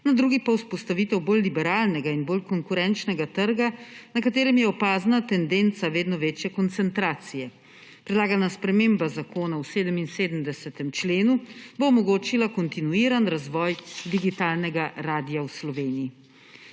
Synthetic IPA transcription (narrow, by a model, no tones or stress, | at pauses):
nad̪ɾuːɡipawspɔst̪aʋiːt̪ɛwboːlːibɛɾaːlnɛɡainboːlkɔŋkuɾɛnt͡ʃnɛɡat̪əɾɡanakat̪eːɾɛmjɛɔpaːznat̪ɛnd̪ent̪saʋeːd̪nɔʋeːt͡ʃjɛkɔnt̪sɛnt̪ɾaːt̪sijɛ | pɾɛd̪laːɡanaspɾɛmembazakoːnawseːd̪əminseːd̪əmd̪ɛsɛt̪ɛmt͡ʃleːnuboːmɔɡoːt͡ʃilakɔnt̪inuiːɾanɾazʋɔːjd̪iɡit̪aːlnɛɡaɾaːd̪ijawslɔʋeːnii